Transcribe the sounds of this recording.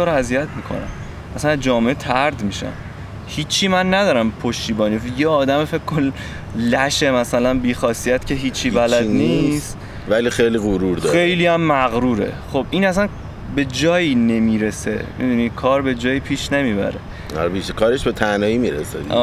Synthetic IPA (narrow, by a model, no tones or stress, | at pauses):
t̪oːɾæzijæt̪ʰmiːkʰo̰næ̰m | ʔæsænæzd͡ʒɒːmeʔet̪ʰæɾd̪miːʃæ̰m | hiːt͡ʃʰːiːmænːæd̪ɒːɾæmpʰoʃt̪iːbɒːnifjeɒːd̪æmefe̞kʰkʰːon | læʃemæsælænbiːxɒːsijæt̪cʰe̞ɦiːt͡ʃʰːiːbælæd̪niːst̪ | vælixejliɣoɾuɾd̪e̞jliæmːæɣɾuːɾe̞̰χobʔinæsæn | be̞d͡ʒɒːjine̞miːɾesemʔḭd̪unikʰɒːɾbe̞d͡ʒɒːjipʰiːʃnemiːbæ̰ɾḛ | ɾbiʃekʰɒːɾeʃbet̪ʰænɒːimiɾḛsḛɒː